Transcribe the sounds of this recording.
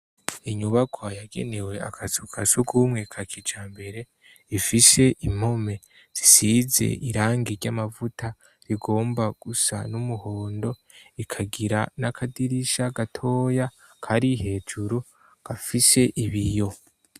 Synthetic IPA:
iɲuβakʰwajaɡe̞̰ne̞we̞a̰kʰazukʰasuɡʰumŋekʰakʰid͡ʒaːmbe̞ɾe̞ | ifise̞ʔim̥o̞me̞ | z̥isize̞̰ʔiɾaːŋɡiɾɟamavuta | ɾiɡo̞ːmbaɡ̥usa̰numuhoːndo̞ikʰaɡiɾanakʰadiɾiʃaɡatʰo̞ːjakʰaɾihe̞ːd͡ʒuɾu | ɡ̥afise̞ʔiβijo̞

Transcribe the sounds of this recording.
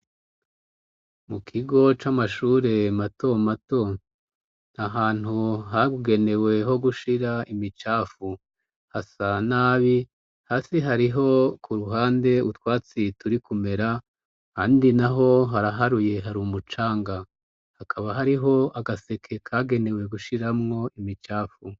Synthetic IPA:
mukʰiɡo̞t͡ʃamaʃuːɾe̞mato̞mato̞ | naɦaːn̥huɦaɡuɡe̞ne̞we̞ɦo̞ɡuʃiɾaimit͡ʃaːfu | hasanaːβi | haːsiɦaɾiɦo̞kuɾuɦaːnde̞utwaːt͡situɾikume̞ɾa | haːndinaɦo̞ɦaɾaɦaɾuje̞ɦaɾumut͡ʃaːŋɡa | hakʰaβaɦaɾiɦo̞aɡase̞kʰe̞kʰaɡe̞ne̞we̞ɡuʃiɾamŋo̞imit͡ʃaːfu

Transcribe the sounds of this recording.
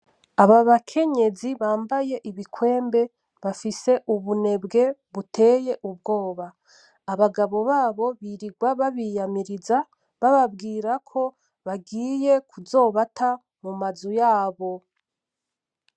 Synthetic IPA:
aβaβakʰe̞ɲe̞ziβaːmbaje̞ʔiβikwe̞ːmbe̞ | βafise̞ʔuβune̞bɡe̞βutʰe̞ːje̞ʔub̚ɡo̞ːβaː | βaɡaβo̞βaːβo̞βiɾiɡwaβaβijamiɾiza | βaβabɡiːɾakʰo̞ | βaɡiːje̞kuzo̞ːβata | mumazujaːβo̞

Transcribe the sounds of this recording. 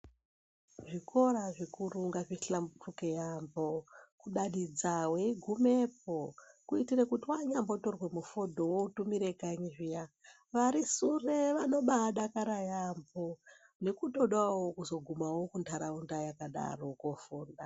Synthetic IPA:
ʐikʰo̞raʐikuruŋɡaʐiɬambutukejambokuɗaɗid͡zawe̞iɡʱumep̚okuitirekutiwaɲamboto̞rwe̞mufodʱo̞wotumiɾe̞kaɲiʐija | ʋaɾisureʋano̞ɓaɗakaɾajambo | ne̞kuto̞ɗwawokuzo̞ɡʱumawo̞kuntʰaɾaundajakaɗa̰rokofuːnda

